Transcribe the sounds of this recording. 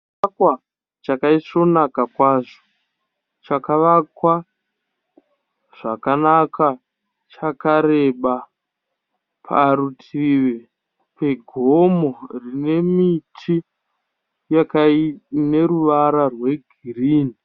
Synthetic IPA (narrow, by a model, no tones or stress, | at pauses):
akwa | t͡ʃakaiso̞nakakwaːʐo | t͡ʃakaʋakwa | ʐ̥akanaka | t͡ʃakaɾe̞ɓa | pʰa̰ɾutʰiʋe | pʰe̞ɡʱomo̞rine̞mitʰi | jakane̞ɾuʋaɾarwe̞ɡʱiriːni